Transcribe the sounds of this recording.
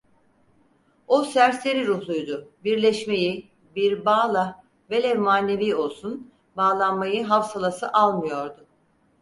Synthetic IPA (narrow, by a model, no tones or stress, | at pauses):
o̞sæɾse̞ɾiɾuhlˠujd̪ʊbiɾlʲɛʃme̞ji | biɾbaːlˠa | ve̞lʲɛmaːnːe̞viːo̞lˠsun | baːlˠanmajɯɦafsalˠasɯʔalˠmɯjo̞ɾd̪ʊ